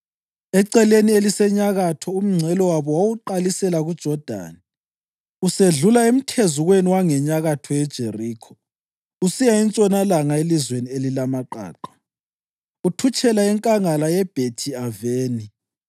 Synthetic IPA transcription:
ɛǀɛlenielisɛɲaɣatʰɔum̩ŋ͡ǀʱɛlɔwaβɔwawuǃalisɛlaɣud̥ʒ̥ʱɔd̥ʱa̰ːni | useɮulaem̩tʰezuɣweniwaŋɛɲaɣatʰɔɛd̥ʒ̥ʱeriːkʰɔ̥ | usijaint͡sʼɔnalaŋaelizwenielilamaǃa̰ːǃḁ | utʰut͡ʃʼɛlaɛŋkʼaŋalajɛb̥ʱetʰiaveːni

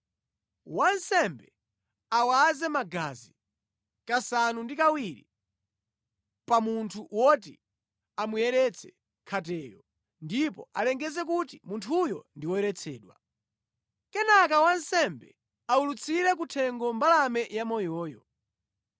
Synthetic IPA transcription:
wansɛmbɛ | awazɛmaɡazi | kasanundikawiɾḭ | pamuntʰuwɔt̬ḭ | amujɛɾɛt͡sʰɛ̥ | kʰatɛːjɔ | ndipɔ̰a̰lɛŋɡɛzɛk̬utimuntʰujɔ̰ndiwɔjɛɾɛt͡sʰɛːɗwa | kɛnak̬awansɛmbɛ̰ | aulut͡sʰiɾɛk̬utʰɛŋɡɔmbalamɛjamɔjɔːjɔ

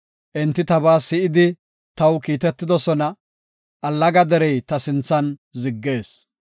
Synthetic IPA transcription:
ʔɛnt̪ːɪt̪ɐbaːsɪʔɪd̪ɪ | t̪ɐwkiːt̪ɛt̪ːɪd̪ɔsɔnɐ | ʔɐlːɐɡɐd̪ɛɾɛjt̪ɐsɪnt͡sːɐnzɪɡːe̞ːs

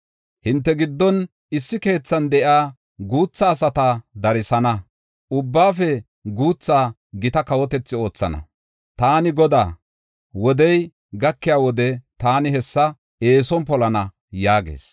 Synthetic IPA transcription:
hɪnt̪ːɛɡɪd̪ːɔn | ɪsːɪke̞ːt͡sːɐnd̪ɛʔaː | ɡuːt͡sːaːsɐt̪ad̪ɐɾɪsɐnɐ | ʊbːaːfɛ | ɡuːt͡sːaː | ɡɪt̪ɐkɐwɔt̪ɛt͡sːɪo̞ːt͡sːɐ̰nɐ̰ | t̪aːnɪɡɔd̪a̰ː | wɔd̪ɛj | ɡɐkːɪjaːwɔd̪ɛt̪aːnɪɦɛsːɐ | e̞ːsɔnpɔlɐnɐ | jaːɡḛːs

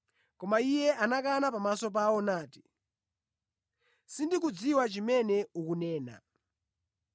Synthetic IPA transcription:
kɔmaijɛanakanapamasɔp̬awɔnaːti̥ | sindik̬ud͡ziwat͡ʃimɛnɛukunɛːna̰

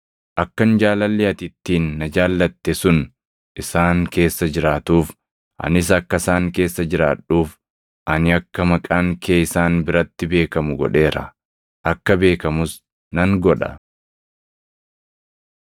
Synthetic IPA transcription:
ʔɐkːɐnd͡ʒaːlɐlːɛɐt̪ɪt̪ːiːnːɐd͡ʒaːlːɐt̪ːɛsʊn | ʔɪsaːŋke̞ːsːɐd͡ʒɪɾaːt̪uːf | ʔɐ̰nɪs̬ɐkːɐsaːŋke̞ːsːɐd͡ʒɪɾaːᶑuːf | ʔɐnɪɐkːɐmɐkʼaːŋkʰeːɪsaːnbɪɾɐt̪ːɪbe̞ːkɐmʊɡɔ̰ᶑe̞ːɾɐ̰ | ʔɐkːɐbe̞ːkɐmʊs | nɐŋɡɔᶑɐ̰

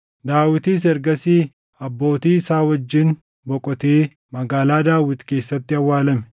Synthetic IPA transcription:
d̪aːwɪt̪iːs̬ɛɾɡɐsiː | ɐbːo̞ːt̪iːɪsaːwɐd͡ʒːɪn | bɔkʼɔt̪eː | mɐɡaːlaːd̪aːwɪt̪ke̞ːsːɐt̪ːɪɐwːaːlɐmɛ̥

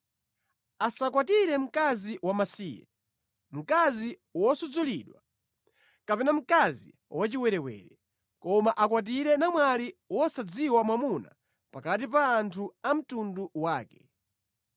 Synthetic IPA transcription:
asakwatiɾɛm̩kaziwamasiːjɛ̰ | m̩kazi | wɔsud͡zuliɗwa | kapɛnam̩kazḭ | wat͡ʃiwɛɾɛwɛ̰ːɾɛ | kɔmaʔakwat̬iɾɛnamwaliwɔsad͡ziwamwamuna̰ | pakat̬ipaːntʰuam̩tunduwaːkɛ̥

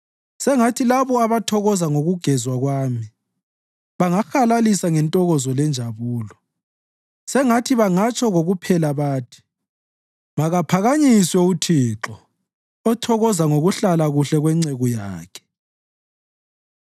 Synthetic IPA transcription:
sɛŋatʰilaβɔaβatʰɔɣɔzaŋoɣuɡ̥ʱɛzwaɣwaːmi | βaŋaxalalisaŋɛntʼɔɣɔzɔlɛnd͡ʒʱaβuːlɔ | sɛŋatʰiβaŋat͡ʃʰʼɔɣoɣupʰɛlaβaːtʰi̥ | maɣapʰaɣaɲiswɛutʰiǁɔ | ɔtʰɔɣɔzaŋoɣuɬalaɣuɬɛɣwɛŋ͡ǀɛɣɔja̰ːkʰɛ̥

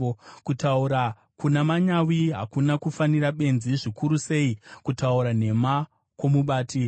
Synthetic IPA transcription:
kutauɾa | kunamaɲawiɦa̰kunakufaniraɓe̞nziʐikuɾuse̞ikutauɾane̞ma | kwo̞muɓaːti

